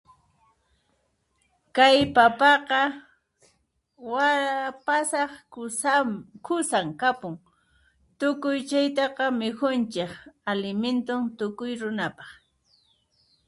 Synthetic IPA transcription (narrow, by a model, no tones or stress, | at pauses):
kajpapɑqɑ | waapasɑχ | kʰʊsaŋkapʊŋ | t̪ʊkʊjt͡ʃajt̪ɑqɑmɪkʊnt͡ʃɪkalɪment̪ʊnt̪ʊkʊjɾʊnapɑχ